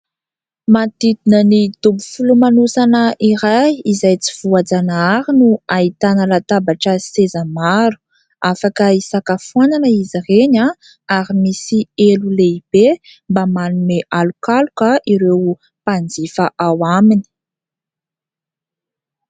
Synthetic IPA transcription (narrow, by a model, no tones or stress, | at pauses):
mat̪id̪inənid̪ubufulumanusanəʔiɾajizajt͡si̥v̥uad͡zanaaɾinuait̪anəlat̪abaʈ͡ʂəsezamaɾu̥ | afakəisakafuananəizireɲa | aɾimisieluleib̥e | mbamanumeʔalukalukəʔiɾew | pand͡zifaʔawamini̥